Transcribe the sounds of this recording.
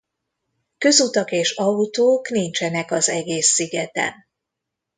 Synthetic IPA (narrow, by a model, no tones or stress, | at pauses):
kø̞zut̪ɒkeːʃɒut̪oːknint͡ʃɛnɛkɒzɛɡeːsːiɡɛt̪ɛ̰n